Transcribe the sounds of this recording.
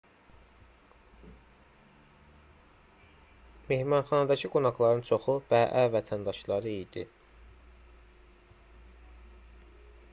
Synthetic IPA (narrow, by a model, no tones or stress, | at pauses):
me̞hmɑnχɑnɑd̪ɑcʰiɡunɑɡlˠɑɾɯnt͡ʃʰo̞χub̥æːʔævæt̪ʰænd̪ɑʃlˠɑɾɯid̪i